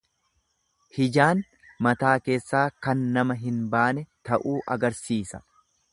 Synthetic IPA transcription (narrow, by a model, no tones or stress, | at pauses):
hɪd͡ʒaːn | mɐt̪aːke̞ːsːaːkɐnːɐmɐɦɪnbaːnɛt̪ɐʔuːʔɐɡɐɾsiːsɐ̥̰